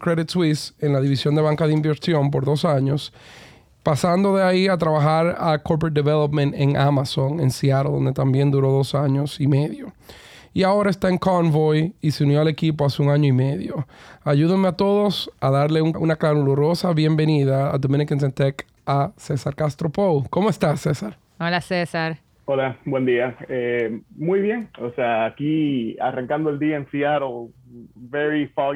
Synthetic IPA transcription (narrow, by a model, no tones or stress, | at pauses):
kɾeðit̪swise̞nlaðiβisjo̞nd̪e̞βaŋkaðeimbeɾsjo̞mp̬o̞ɾðo̞saɲo̞s | pasand̪o̞ðe̞aiat̪ɾaβaxaɾakoɾpɾet̪̚d̪eβelopmẽnt̪eŋamaso̞ŋḛnsiaɾoðo̞̰nd̪et̪ambje̞nd̪uɾo̞ðo̞saɲo̞sime̞ðjo̞ | iao̞ɾae̞st̪aeŋkonvojise̞unjo̞ale̞kip̬o̞aseuŋaɲo̞ime̞ðjo̞aʝuðeŋmeat̪o̞ðo̞saðaɾle̞uŋʔunaklanuloɾo̞saβje̞mbe̞niðaa̰d̪omĩnikens̬ent̪ek | ase̞saɾkast̪ɾo̞powko̞moe̞st̪asːesaɾ | olasesaɾ | olabwend̪iaemujβjeŋoseaːkia̰raŋkand̪oeld̪iaensiaɾo | veɾifa